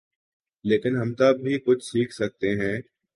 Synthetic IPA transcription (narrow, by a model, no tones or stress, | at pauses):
leːkɪnɦɐmt̪ɐbbʱikʊt͡ʃʰsiːkʰsɐk̚t̪eɦɛ̃ː